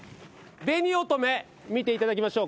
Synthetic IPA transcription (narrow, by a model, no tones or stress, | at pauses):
be̞ɲ̟iot̪o̞me̞ | mʲit̪eit̪ad̪ak̬ʲimaɕo̞ː